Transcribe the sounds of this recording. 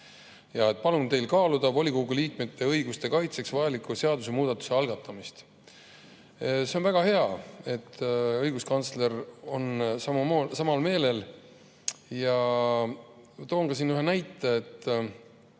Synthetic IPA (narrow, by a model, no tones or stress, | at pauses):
jɑe̞t̪̚ːˑpɑlunt̪e̞jlkɑːlud̪̥ɑvo̞lʲikoɡ̥uliːkmet̪ːe̞ɤjɡust̪e̞kɑjt̪se̞ksvɑjɑlikuseɑd̪use̞muːd̪ɑt̪ːˑu̥se̞ɑlɡ̥ɑt̪ːˑɑmist̪ | se̞o̞nvæɡ̥ɑhe̞ɑe̞t̪ːɤjɡ̥uskɑnt̪sle̞ɾonsɑmumoːsɑmɑlme̞ːle̞l | jɑ | t̪o̞ːŋɡɑsinyɦenæjt̪ːˑe̞ːt̪ː